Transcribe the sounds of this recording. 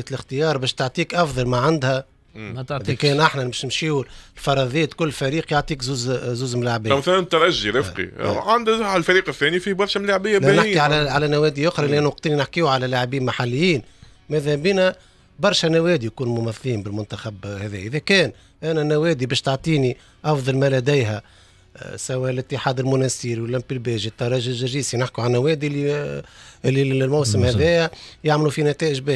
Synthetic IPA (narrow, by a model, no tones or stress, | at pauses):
æt̪lɪxt̪əjɑːɾˤbɛːʃt̪oʕt̪ˤiːkʔɑfðˤɑlmaʕand̪hæ | t̪ːkɛːnʔaħnæbɛːʃnɪmʃiːwulfɑɾˤɑðˤeːæt̪kʊlːfæɾiːqjoʕt̪ˤiːkzuːzzuːzmlaʕbiːmæθalnt̪æɾaʒːiɾɪfqḭʕand̪lfæɾiːqɪθːɛːnifibɑɾˤʃæmlaʕbɪjːælænɪħkːiʕalæʕalænæwɛːd̪iʔʊxɾˤɑʔlːiʔænwɑq̚t̪ˤiːninɪħkiːwʕalælaʕbiːnmaħalːɪjːiːn | mæðhæbiːnæ | bɑɾˤʃɛnæwɛːd̪ijkuːnmʊmæθːiːmbɪlmʊnt̪axabhɛðɛːjæʔɪðɛkɛːn | ʔænænːæwɛːd̪ibɛːʃt̪ɑʕt̪ˤiːni | ʔɑfðˤɑlmælæd̪æjɦɛ | sæwæːʔlɪt̪ːəħaːd̪ɪlmʊnɛsiːɾiwlːæmpːilbɛːʒit̪ːɑɾˤɑːʒɪʒɪʒiːsinɪħkiʕalnæwɛːd̪ilːi | ʔɪlːimawsɪmhæðɛːjɛjaʕmlufinæt̪ɛːʔɪʒbɛː